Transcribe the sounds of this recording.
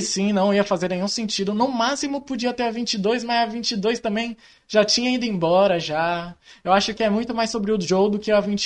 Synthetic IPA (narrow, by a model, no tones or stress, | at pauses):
sĩnɐ̃w̃iɐfazeɾnẽjɲũsẽnt͡ʃid̪ʊnʊmasimʊpod͡ʒiɐt̪ɛɾɐvĩt͡ʃɪd̪ojs̬mɐzɐvĩnt͡ʃid̪ojst̪ɐ̃mbẽj̃ | ʒat͡ʃĩɲɐĩd̪ʊẽbɔɾɐʒaewaʃʊkɪɛmũj̃t̪ʊmajsːobɾɪʊd͡ʒowd̪ʊkɪavĩnt͡ʃ